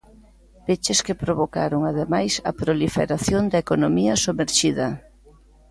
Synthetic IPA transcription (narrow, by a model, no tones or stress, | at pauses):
pet͡ʃeskepɾoβoka̰ɾoŋaðemajsɐ̰pɾolifḛɾaθjond̪ɐekonomiɐsumeɾʃiðɐ